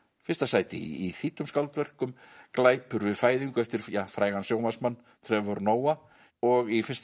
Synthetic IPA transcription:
fɪrst̪asaːjt̪ɪ̰iθiːt̪ʏmskawlt̪vɛr̥kʏmklaːjpʏɾvɪðfaːjðiŋkʏɛft̪ɪɾ̥jafɾaːjɣansjoːwmasmanː | t̪ʰɾɛvɔɾnoːwa | ɔɣifɪ̥st̪

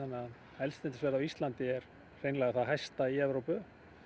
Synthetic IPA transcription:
anːɪa | ɛlsɛnt̪ɪsvɛɾðavist̪lant̪ɪɛɾ | r̥ejnlɛɣaθaðɦajst̪aiɛvɾowpʏ

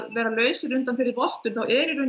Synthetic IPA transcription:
ðvɛːɾalœːɥsʏɾʏnt̪anfɪɾɪɾpɔht̪ʏɾ̥θawʔɛːɾɪɾʏn

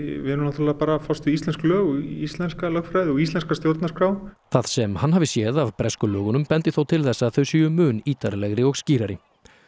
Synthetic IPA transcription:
vɪnunaθʰalɛapaːɾafɔst̪ʏist̪ɛnsklœːɣist̪lɛnskalœxfɾajðɪɔɣist̪ɛnskast̪jowɾt̪naskɾawθað̥sɛmhanːɦavɪsjɛːðavpɾɛskʏlœːɣʏnʏmpɛnt̪ɪθowt̪ʰɪlθɛsːaðθœɥsiʏmʏːniːt̪aɾlɛɣɾɪɔɣsciːɾaɾɪ

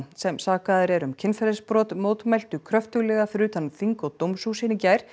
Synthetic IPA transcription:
sɛmsaːkaðɾɛɾʏmcʰɪnfɛɾɪspɾɔːt̪moːwt̪mɛjl̥t̪ʏkʰɾœft̪ʏɣlɛɣafɾʏːt̪ʰanθiŋkɔt̪owmsuːsɪnɪɲcaːjɾ̥

